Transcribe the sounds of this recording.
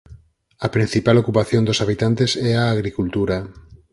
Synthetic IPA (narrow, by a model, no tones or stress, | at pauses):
ɐpɾin̟θipalokupaθjõnd̪osaβit̪ant̪esɛaːɣɾikult̪uɾa